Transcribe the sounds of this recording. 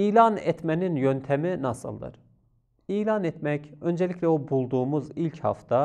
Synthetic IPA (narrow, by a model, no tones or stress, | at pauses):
iːlʲɑnɛt̪mæninjø̞nt̪ʰæminɑsɯ̰lˠd̪ɯ̰ɾ̥ | iːlʲɑnɛt̪mɛcø̞nd͡ʒelicʰlʲɛobulˠd̪uːmuzilʲchɑ̰ft̪a